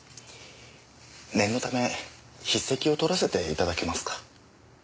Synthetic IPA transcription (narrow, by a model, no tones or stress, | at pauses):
nẽ̞nːo̞t̪ame̞ | çisːe̞kʲio̞t̪o̞ɾase̞t̪e̞ḭt̪ad̪ake̞masɨ̥kḁ